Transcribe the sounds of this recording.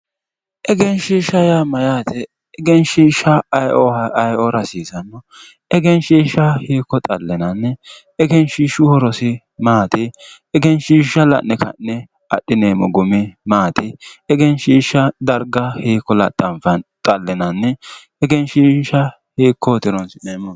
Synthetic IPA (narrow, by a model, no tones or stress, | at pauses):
ʔɛɡɛnʃiːʃɐjamɐjaːt̪ɛ | ɛɡɛnʃiːʃɐjʔoɔɐjɔɾɐsiːsɐnːɔ | ɛɡɛnʃiːʃɐhiːkːɔt̪ʼɐlːɛnɐnːɛ | ɛɡɛnʃiːʃʊhɔɾɔsɪ | maːt̪ɪ | ɛɡɛnʃiːʃɐlɐ̰nːɛkɐ̰nːɛ | ɐ̰ɗːɪneːmɔɡʊmɪmaːt̪ɪɛɡɛnʃiːʃːɐd̪ɐɾɡɐhiːkːɔlɐ̰tʼːɐnfɐnt̪ʼɐlːɛnɐnːɛ | ɛɡɛnʃiʃɐ | hiːkːot̪ɪɾɔnsɪneːmɔ